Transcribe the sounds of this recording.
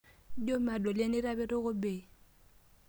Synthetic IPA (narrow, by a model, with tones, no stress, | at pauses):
d͡ʒo˦ma˨dɔ˨le˦nɪ˦ɾa˦bɛ˦ɾɪ˦ɣʊ˦be˨